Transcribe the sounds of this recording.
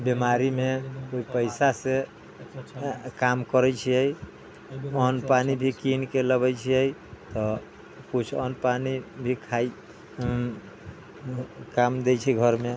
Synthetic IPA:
bimaɾimekoipəɪsase | kamkəɾɛt͡ʃʰiəj | ɔnpanibʱikinkeləbɛt͡ʃʰiəjt̪ɔ | kut͡ʃʰɔnpanibʱikʰai | kamd̪et͡ʃʰiɡʱəɾme

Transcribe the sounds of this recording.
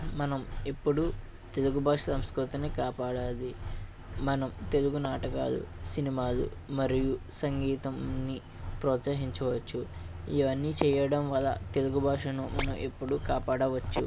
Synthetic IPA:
mɐnɐmepːuɽu | t̪e̞luɡubʱaːʂɐsɐmskɾut̪ɐnikaːpaːɽaːli | mɐnɐmt̪e̞luɡunaːʈɐka̰ːlṵsinimaːlṵmɐɾijusɐŋɡiːt̪ɐmni | pɾɔːt̪sɐɦiɲt͡ʃɐʋɐt͡ʃːuiʋɐnːiːt͡ʃɛːjɐɽɐmʋɐlːɐ̰t̪e̞luɡubʱaːʂɐnumɐnɐmepːuɽukaːpaːɽɐʋɐt͡ʃːṵ

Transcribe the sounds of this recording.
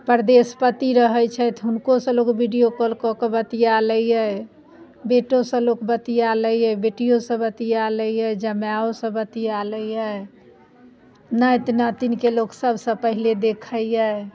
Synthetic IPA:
pəɾd̪espət̪iɾəɦəjt͡ʃʰɛt̪ɦʊnkosə̃lokbiɖijokɔlkɔkebət̪ialəiɛ | beʈosə̃lokbət̪ialəjɛbeʈijosə̃bət̪ialəiɛd͡ʒəmjaosə̃bət̪ialəiə | nət̪nat̪inkeloɡsəbʱsə̃pəɦiled̪ekʰəiɛ

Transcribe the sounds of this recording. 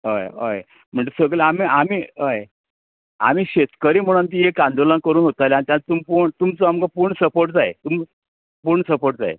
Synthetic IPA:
ɦəjə̰j | m̤əɳt͡s̪esəɡleamiʔamiːɦəj | a̰miːɕet̪kəɾiːm̤əɽ̃ant̪̬iːekãnd̪olənkəɾuːnɦot̪ajleaɽ̃it̪jant̪umpuɾɳt̪umt͡soamkapuɾɳsəpoɾʈd͡zaḛt̪um | puɾɳəsəpoɾʈ̚d͡za̰ḛ

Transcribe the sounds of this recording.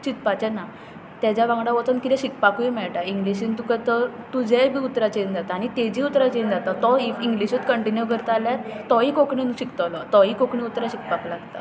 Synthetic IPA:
t͡ɕit̪pat͡ɕɛna | t̪jad͡ʑjaʋãŋɡɽaʋɔt͡sənkit̪ɛ̃ɕikpakuimɛɭʈaiŋɡliɕint̪ukat̪əɾt̪ud͡zɛbʱiut̪ɾat͡ɕend͡zat̪aːɽ̃it̪ed͡ʑiut̪ɾat͡ɕend͡zat̪at̪ɔiiŋɡliɕit̪kəɳʈinjuɡəɾt̪aljat̪t̪ɔɦikokɳinuɕikt̪lɔt̪ɔɦikokɳĩut̪ɾaɕik̚paklaɡt̪a̰

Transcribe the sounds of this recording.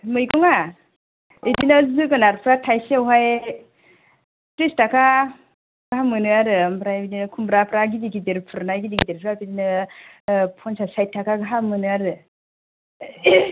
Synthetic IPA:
mɯjkɔŋa | edinɯzɯɡɯnaɾpʰɾatʰajsiawɦaj | tɾistakʰa | ɡ̥aɦamɯnɯaɾɯambɾabidinɯkʰumbɾapʰɾaɡidiɡideɾpʰɯɾnajɡidiɡideɾpʰɯɾapidinɯ | pʰɔnsasajt̚ʰːakaɡaɦamːɯnɯaɾɯ

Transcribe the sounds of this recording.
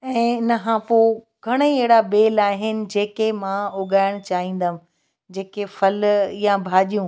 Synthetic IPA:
ɛ̃ːɪnəɦãːpoː | ɡʱɐɽ̃ieɦɪɽabeːlaːɦɪnɪ̆d͡ʑeːkemãʊɠaːɪɽ̃t͡ɕaːɦĩːn̆d̪əm̆ | d͡ʑeːkefɐljãbʱaːʄijũː

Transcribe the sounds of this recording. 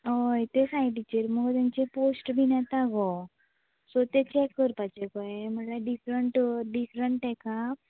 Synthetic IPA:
ɦojt̪esaɦiʈit͡ɕəɾməɡɔt̪ãnt͡ɕeposʈbʱinat̪aɡɔ | sot̪et͡ɕɛkːəɾpat͡ɕekɔeməʈlaɖifɾəɳʈɖifɾəɳʈɦɛka

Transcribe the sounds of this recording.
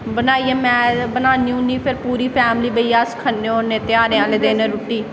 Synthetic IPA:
bənaːiːẽːmɛ̃ːbənaːniũːnĩːpʰɪɾpuːɾiːpʰɛːmliːbəijaːskʰənːeːoːneːt̪ɪjaːɾeãːleːd̪eːnẽːɾʊʈːiː

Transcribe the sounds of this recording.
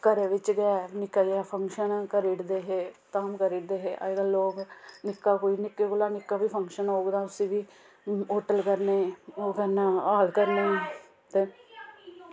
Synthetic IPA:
kəɾeːʋɪt͡ʃɡɛːnɪkːaːijaːpʰəŋkʃənkəɾiʈd̪eːɦeːt̪aːmkəɾiʈd̪eːɦeːʔa̰ɡəlːoːɡnɪkːaːkoːiːnɪkːekolaːnɪkːaːʋiːpʰəŋkʃənoːɡd̪ãːʊsĩːʋiː | oːʈəlkəɾneːoːkəɾnaːaːlkəɾneː | t̪eː

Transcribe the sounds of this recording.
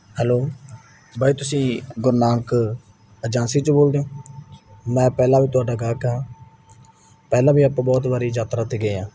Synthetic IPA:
hɛːloː | bʱaːiːt̪ʊsĩːɡʊɾnaːk | əd͡ʒãːnsiːt͡ʃboːld̪eːõː | mɛ̃ːpɛːlãːʋiːt̪ʊaːɖaːɡaːkəɦãː | pɛːlãːbiːaːpãːbɔːt̪baːɾiːd͡ʒaːt̪ɾãːt̪eːɡeːãː

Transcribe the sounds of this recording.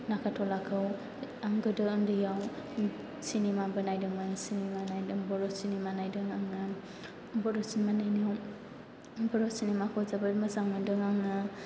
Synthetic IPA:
nakʰatʰɔlakʰɯw | aŋɡɯdɯːmdɯjaw | sinemabɯnajdɯŋmansinemanajdɯŋbɔɾɔsinimanajdɯŋaŋɯ | bɔɾɔsinmanajniw | bɔɾɔsinemakʰɯwzabɯməzaŋmɯdɯŋaŋɯ

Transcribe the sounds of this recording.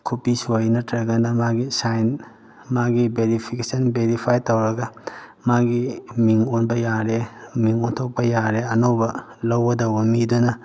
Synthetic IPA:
kʰupisojnɐtʰɾɐɡɐnɐmaɡisajn | maɡibeɾipʰikesɐnbeɾipʰajtɐwɾɐɡɐmaɡimiŋonbɐjaɾemiŋontʰok̚pɐjaɾeɐnowbɐ | lɐwbɐdɐwbɐmidunɐ

